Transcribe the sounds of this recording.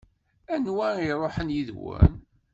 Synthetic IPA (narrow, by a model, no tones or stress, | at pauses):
ænwæiɾˤoħənjiðwə̰n